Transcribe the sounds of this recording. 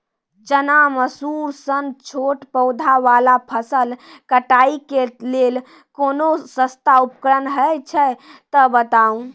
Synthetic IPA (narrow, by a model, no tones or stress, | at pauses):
d͡ʒənaməsuɾsənt͡ʃʰoʈpəwd̪ʱaʋalapʰəsəlkəʈaikelel | konosə̃st̪aupkɾənɦət͡ʃʰɛt̪əbət̪aũ